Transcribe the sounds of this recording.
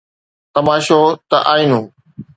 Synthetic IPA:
t̪ɐmaːʃot̪ɐʔaːiːnũː

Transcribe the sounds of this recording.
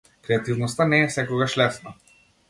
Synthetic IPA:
kɾɛat̪ivnɔst̪anɛːfsɛkɔɡaʃlɛsna

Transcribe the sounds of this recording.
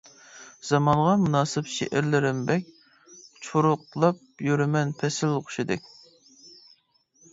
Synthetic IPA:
z̥ɑmɑnʁɑmunɑːsɨpʃɪ̰ʔɪɾlɪɾɪmbɛkʲ | t͡ʃʰuɾʊqlˠɑp̚jyɾɪmɛnpʰɛsɪlˠqʰʊ̥ʃɪd̪ɪ̰kʲ

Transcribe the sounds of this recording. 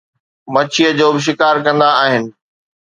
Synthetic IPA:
mɐt͡ɕʰijəd͡ʑoːbɪʃ̬ɪkaːɾkɐ̃nd̪aːɦɪnɪ̆

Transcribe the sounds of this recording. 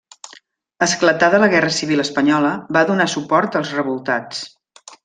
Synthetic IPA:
əsklət̪aðələɣɛrəsiβ̞iləspəɲɔləβaðunasupɔɾt̪əlˠzrəβulˠt̪at͡s

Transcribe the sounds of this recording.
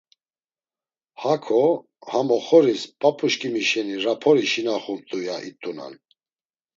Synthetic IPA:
hakʰɔ | hamɔχɔɾispʼapʰʼuʃkʼimiʃɛniɾapʰɔɾiʃinaχuɾt̪ʼujaʔit̪ʼuna̰n

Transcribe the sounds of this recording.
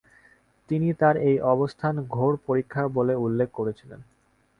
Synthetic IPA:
t̪init̪aɾejʔɔbost̪ʰanɡʱoɾpoɾikʰːaboleulːekʰːkoɾet͡ɕʰilḛn

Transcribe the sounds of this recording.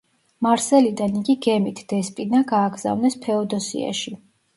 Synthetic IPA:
maɾsɛlid̪aniɡiɡɛmit̪ʰd̪̥ɛspʼinaɡaːɡz̥a̰vnɛspʰɛɔd̪ɔsḭa̰ʃi

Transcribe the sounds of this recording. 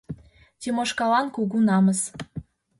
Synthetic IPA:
t̪ʲimoʃkɑlɑnkuɣunɑməs

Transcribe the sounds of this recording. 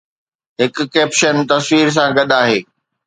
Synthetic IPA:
ɦɪkʊ̆keːpʃənt̪ɐswiːɾs̬ãɡɐɗaːɦeː

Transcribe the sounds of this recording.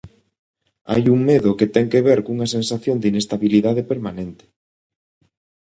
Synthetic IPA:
a̰juŋmeðʊket̪ɛŋkeβeɾkuŋɐsensaθjond̪inest̪aβiliðaðepeɾmanẽnt̪ɪ̥

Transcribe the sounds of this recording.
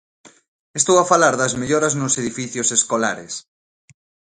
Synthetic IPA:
est̪owafalaɾðɐzmeʎɔɾɐznʊseðifiθjoseskola̰ɾḛs

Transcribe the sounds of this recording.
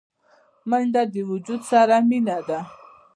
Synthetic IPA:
mənɖ̪ad̪iwud͡ʒud̪saɾaminad̪a

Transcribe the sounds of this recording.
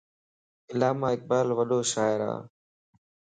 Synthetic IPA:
ɪlaːmaːɪk̚ɓaːlʋəɗoːʃaːɪɾa̰ː

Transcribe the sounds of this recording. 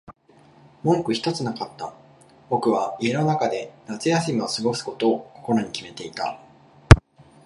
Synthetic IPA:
mõ̞ŋkɯ̟çi̥t̪o̞t͡sɨnakat̪ːa | bo̞kɯ̟β̞aie̞no̞nakad̪e̞nat͡sɨjasimʲiosɨɡo̞sɨ̥ko̞t̪o̞ːko̞̥ko̞ɾoɲ̟ikʲime̞t̪e̞it̪a̰

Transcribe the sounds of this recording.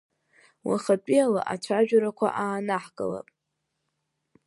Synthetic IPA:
wa̰χapʼiala̰ʔat͡ʃʷʰaʒᶣaɾakʷʰa̰ʔaːnaħkʼəla̰pʼ

